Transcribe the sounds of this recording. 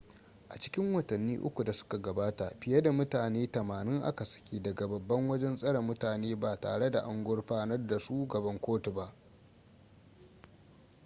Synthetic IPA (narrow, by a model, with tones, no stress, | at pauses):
ʔa˨t͡ʃɪ̥˦kʲɪ˦ŋwɐ˨tɐ˨nːḭː˦ʔʊ̰˦kʷu˨da˨sʊ̥˦ka˨ɡɐ˨baː˦ta˨ɸɪ˨je˦da˨mʊ˦taː˨neː˦tɐ˨maː˨nɪ˦ŋʔa̰˦ka˨sɐ̥˨kʲiː˦dɐ˨ɡa˨bɐ˨bːɐ˦ŋwɐ˦d͡ʒɛ˦nsʼɐ˦ɽɐ˨mːʊ˦taː˨neː˦baː˨ta̰ː˨ɽe˦da˨ʔa˦ŋɡʷʊ˦rɸaː˦nɐ˦rda˨ʃuː˦ɡɐ˨bɐ˦ŋkʷoː˦tu˨ba˦ʔ